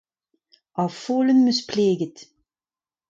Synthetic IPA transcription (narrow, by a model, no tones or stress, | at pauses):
ʔɑfuːlənmyspleːɡət